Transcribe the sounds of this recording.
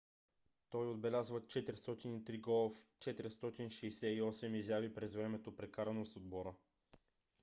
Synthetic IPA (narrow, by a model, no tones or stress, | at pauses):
t̪ɔjod̪̚bɛlʲazvət͡ʃɛt̪ɾist̪ɔt̪init̪ɾiɡɔlˠft͡ʃɛt̪ɛɾst̪ɔt̪inʃɛjsɛiɔsɛmizjavipɾɛzvɾɛmɛt̪opɾɛkaɾɐnosod̪̚bɔɾə